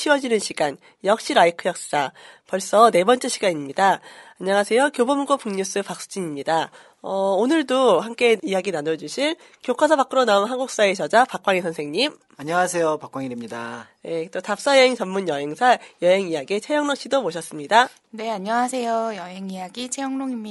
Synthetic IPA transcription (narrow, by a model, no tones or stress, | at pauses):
ɕʰiwʌd͡ʑinɯnɕʰiɡan | jʌk̚ɕ͈iɾaikʰɯjʌk̚s͈ɯ̥d͡ʑ͈apʌɭs͈ʌne̞bʌnt͡ɕ͈eɕʰiɡaɲimɲidaaɲaŋasʰe̞jokjobomɡopuŋɲus͈ɯpak̚s͈u̥d͡ʑiɲimɲida | ʌonɯɭdohamk͈e̞ijaɡinanʌd͡ʑuɕʰin | kjokʰwasʰʌbak͈ɯɾonaonɦanɡuk̚s͈aet͡ɕʰʌd͡ʑapak͈waŋisʰʌnsʰe̞ŋɲim | aɲʌŋasʰe̞jopak͈waŋiɾimɲidaje̞t͈otap̚s͈ajeŋt͡ɕʌmmunjʌɦe̞ŋsʰajʌɦe̞ŋijaɡet͡ɕʰejʌŋnoŋɕ͈idoboɕʰʌs͈ɯmɲida | ne̞aɲʌŋasʰe̞jojʌɦeŋijaɡit͡ɕʰejʌŋnoŋimɲ